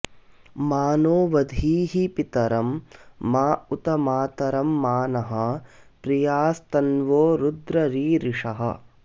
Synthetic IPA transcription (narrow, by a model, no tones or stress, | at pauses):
maːnoːʋɐd̪ʱiːɦipit̪ɐɾɐmːaːut̪ɐmaːt̪ɐɾɐmːaːnɐɦɐ̆pɾijaːst̪ɐnʋoːɾud̪ɾɐɾiːɾiʂɐɦɐ̰